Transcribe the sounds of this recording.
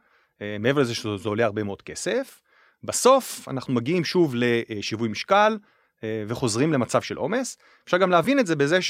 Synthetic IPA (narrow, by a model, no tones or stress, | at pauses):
emeevelezeʃezeole̞aʁbemeo̞d̥̚ke̞se̞f | baso̞fa̰naχnumaɡiimʃuvle̞ʃivujmiʃkal | veχo̞zʁimle̞mat͡savʃelʔo̞me̞s | efʃaʁɡamleavinetze̞bezeʃ